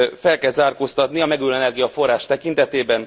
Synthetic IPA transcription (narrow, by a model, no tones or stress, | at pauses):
fɛlkɛlzaːrkoːst̪ɒt̪niɒmɛɡylɛnɛrɡijɒfo̞rːaːʃt̪ɛkint̪ɛt̪eːbɛn